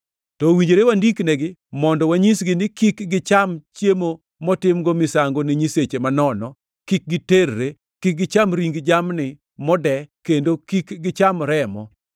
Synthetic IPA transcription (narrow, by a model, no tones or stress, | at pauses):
tɔwiɲd͡ʒeɾewandiknɛɡɪmɔndɔwaɲisɡɪnɪkikɡɪt͡ʃamt͡ʃjemo | mɔtɪmɡɔmɪsaŋɡonɪɲiset͡ʃemanɔnɔ | kik̚ɡɪterːe | kik̚ɡɪt͡ʃamɾiŋɡd͡ʒamnɪ | mɔdɛkendokikɡɪt͡ʃamɾɛmɔ